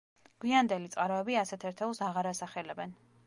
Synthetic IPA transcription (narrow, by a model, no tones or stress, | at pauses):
ɡ̥wiand̪ɛlit̪sʼqʼaɾɔɛbiasɛt̪ʰɛɾt̪ʰɛlˠsaʁaɾasaχɛlɛbɛn